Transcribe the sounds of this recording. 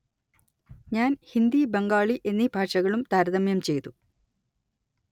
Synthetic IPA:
ɲaːnhind̪ibeŋɡaːɭiʔe̞nːibʱaːʂɐɣɐɭumt̪aːɾɐðɐmjɐmt͡ɕe̞jt̪u

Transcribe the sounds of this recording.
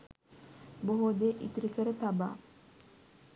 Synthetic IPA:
boɦoːd̪eʔḭt̪iɾikəɾət̪aba̰ː

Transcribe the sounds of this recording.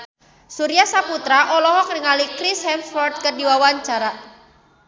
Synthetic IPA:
suɾiasaput̪ɾaʔɔlɔɦɔknəŋalikɾishɛmfɔrd̪̚kədiwawaɲt͡ʃaɾa

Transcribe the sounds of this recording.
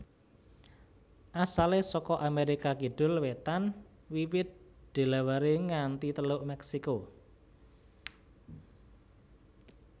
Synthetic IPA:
ʔasalesɔkɔʔameɾikakiɖ̥ʊ̤lwet̪an | wiwɪt̪̚d̪̥e̤lawaɾeŋant̪it̪əlʊʔmɛksiko

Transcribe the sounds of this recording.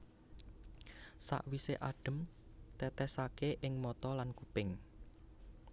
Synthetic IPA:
sa̰ʔwiseʔaɖ̥ə̤mt̪ɛt̪ɛsakeʔɪŋmɔt̪ɔlankupɪŋ

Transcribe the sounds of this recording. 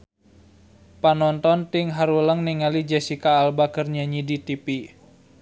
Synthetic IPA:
panɔnt̪ɔnt̪ɪŋɦaɾuləŋniŋalid͡ʒɛsikaːlbakərɲaɲidit̪ipi

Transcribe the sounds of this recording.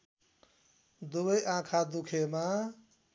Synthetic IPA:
d̪ubəjʔãːkʰad̪ukʰemã

